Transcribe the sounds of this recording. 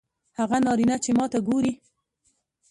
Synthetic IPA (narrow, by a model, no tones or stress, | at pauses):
haɣanɑɾinat͡ʃemɑt̪aɡoɾi